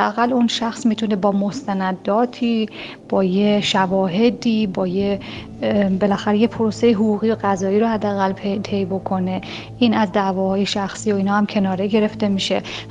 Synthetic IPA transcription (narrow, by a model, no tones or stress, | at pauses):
eæɣælːunʃæxsmiːt̪ʰune̞bɒːmo̞st̪ænæd̪ːɒːt̪ʰiː | b̥ɒːje̞ʃævɒːɦe̞d̪iːbɒːje | be̞læxæɾejepʰoɾose̞jeɦuɣuːɣiːoɣæzɒːiːɾohæd̪ːeæɣælpʰet̪ʰe̞jbo̞kʰo̞ne̞ | ʔiːnæzd̪æːvɒːhɒːje̞ʃæxsiːo̞iːnhɒːhæmcʰe̞nɒːɾe̞ɡe̞ɾe̞ft̪e̞miʃe̞